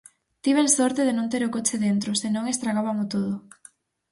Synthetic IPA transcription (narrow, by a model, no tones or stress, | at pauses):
t̪iβensoɾt̪eð̞enõnt̪̬eɾʊkot͡ʃɪðent̪ɾʊsenõŋest̪ɾaɣaβamʊt̪oð̞ʊ